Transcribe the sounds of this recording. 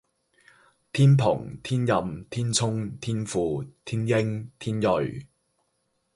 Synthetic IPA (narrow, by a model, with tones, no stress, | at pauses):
t̪ʰiː˥npʰʊ̰˨˩ŋt̪ʰiː˥njɐ˨mt̪ʰiː˥nt͡sʰʊ˥ŋt̪ʰiː˥nfuː˨˧t̪ʰiː˥njɪ˥ŋt̪ʰiː˥njɵ˨ɥ